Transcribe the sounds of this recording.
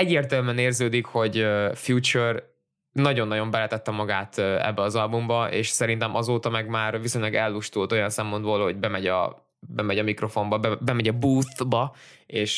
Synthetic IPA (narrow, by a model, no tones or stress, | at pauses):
ɛɟːeːrt̪ɛlmɛneːrzøːd̪ikho̞ɟøfjut͡ʃør | nɒɟo̞nːɒɟo̞mbɛlɛt̪ɛt̪ːɛmɒɡaːt̪ɛ̰bːɛɒzɒlbumbɒʔḛːʃsɛɾin̪t̪ɛmʔɒzoːt̪ɒmɛɡmaːrviso̞ɲlɒɡɛlːuʃt̪ult̪o̞jɒnsɛmpo̞d̪boːlho̞ɟ̚bɛmɛɟɒ̰ | bɛmɛɟɒmikro̞fo̞mbɒbɛbɛmɛɟɒbuːθbɒeːʃ